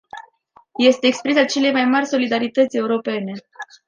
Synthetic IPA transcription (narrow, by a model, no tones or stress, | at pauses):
je̞st̪e̞ːkspɾisat͡ʃe̞le̞jmajmarʲso̞lid̪aɾit̪ət̪sʲe̞uɾo̞pe̞ne̞